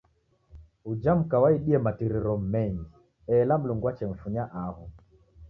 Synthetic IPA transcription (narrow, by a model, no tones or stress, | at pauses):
ud͡ʒam̩kawaiɗiɛmatiɾiɾɔm̩mɛɲɡi | ɛlam̩luŋɡwat͡ʃɛɱ̩fuɲaʔaɦɔ